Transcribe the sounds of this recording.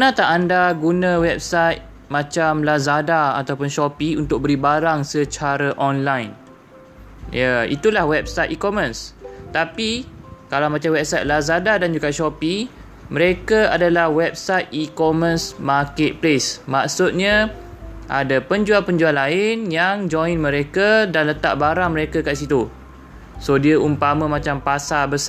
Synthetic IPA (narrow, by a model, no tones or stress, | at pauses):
pənãt̪aʔandaɡunãwɛp̚sajt̪̚ | mãt͡ʃamlazadaa̰t̪awpʊnʃɔpiunt̪ʊk̚bəɾibaɾaŋsət͡ʃaɾaʔɔnlajn | jaḭt̪ulahwɛp̚sat̪ikɔmə̃nst̪apikalawmãt͡ʃamwɛp̚sajt̪̚lazadadand͡ʒuɡaʔʃɔpi | mə̃ɾekaadalahwɛp̚sajt̪̚ikɔmə̃nsmakɛt̪̚plesmaksʊt̪̚ɲã | ʔa̰dapəɲd͡ʒualpəɲd͡ʒualaɪnjaŋd͡ʒɔinmə̃ɾekadanlət̪a̰ʔ̚baɾaŋməɾekakaʔs̬it̪u | sodiəumpamə̃mãt͡ʃampasabəsa